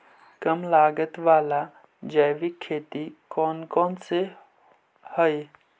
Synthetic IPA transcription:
kəmlaːɡət̪ʋaːla | d͡ʒəjʋikʰːeːt̪ikɔːnkɔːnse | həj

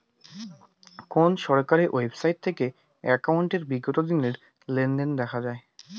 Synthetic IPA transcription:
konʃɔɾkaɾeʔojbsajʈ̚t̪ʰeke | ɛkawɳʈeɾbiɡot̪od̪ineɾ | lenɖend̪ɛkʰad͡ʑae

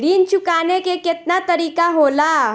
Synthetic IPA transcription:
ɽiːnt͡ʃukanekeket̪nat̪əɾiːkaɦola

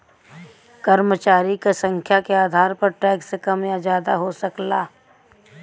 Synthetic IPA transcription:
kɐɾmət͡ʃaːɾikasə̃ŋkʰjakeaːd̪ʱaːɾpɐɾʈɛːɡsekɐmjad͡ʒjaːd̪aɦosɐklaː

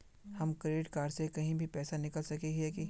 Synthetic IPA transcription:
hɐmkɾeːʈkaːɾsekɐɦĩbʱipɛːsanɪkəlsɐkeɡɛːki

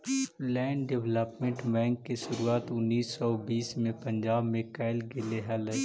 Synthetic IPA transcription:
lɛːɳɖɪʋləpmẽɳʈbɛ̃ːŋkːeʃʊɾuaːt̪ʊnːiːsːɔbiːsmẽpɐ̃ɲd͡ʒaːbmẽkaːɪlɡɪleɦɛlɐ

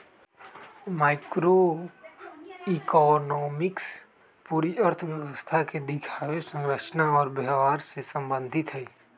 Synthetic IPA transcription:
maːɪkɾo | ikɔnɔːmɪks | puːɾiəɾt̪ʰəʋjɛʋwəst̪ʰaked̪ɪkʰaːʋesə̃ŋɾəʃnaɔːɾbəɦʋaːɾsesə̃mbə̃nd̪ʱɪt̪ɦɛː

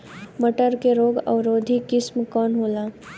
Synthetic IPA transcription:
məʈəɾkeɾoːɡə̰ʋɾoːd̪ʱikɪsmkɔːnɦolaː

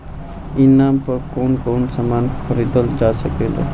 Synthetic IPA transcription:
inampəɾkonkonsamankʰəɾid̪əld͡ʒasəkelo̰

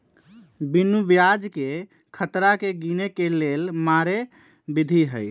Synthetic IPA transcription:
binubjad͡ʒke | kʰət̪ɾakeɡinekelelmaɾe | bid̪ʱiɦəj

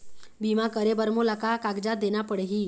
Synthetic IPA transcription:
bimakəɾebəɾmolakakaɡd͡ʑad̪enapəɽɦiː

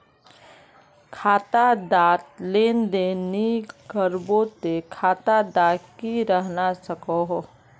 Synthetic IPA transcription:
kʰaːt̪ad̪aːt̪leːnd̪enikəɾbot̪ekʰaːt̪ad̪aːkiɾəɦnasəkoɦ

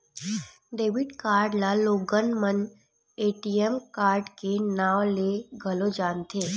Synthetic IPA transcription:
ɖeːʋɪɖkaːɾɖlaloːɡənmən | eːʈijemkaːɾɖkenaːwleɡʱəlod͡ʒaːnt̪eː

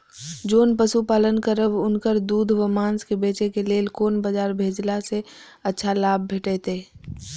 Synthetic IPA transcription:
d͡ʒoːnpəsupaːlənkəɾəbʊnkəɾd̪uːd̪ʱʋəmaːnskebeːt͡ʃekeleːlkoːnbəd͡ʒaːɾbʱeːd͡ʒlase | ətːʃʰalaːb̚ːʱeːʈet̪eː

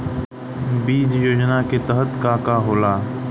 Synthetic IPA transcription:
biːd͡ʒjoːd͡ʒnaket̪əɦət̪kaːkaɦoːlaː

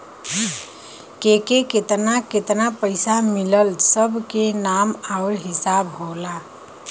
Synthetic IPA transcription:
kekeket̪naket̪napəɪsamiləlsəbʱkenamaʊɾɦɪsabɦola

